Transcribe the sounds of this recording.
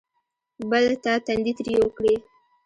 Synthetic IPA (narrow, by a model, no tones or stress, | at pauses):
bəlt̪at̪and̪it̪ɾjewəkɽe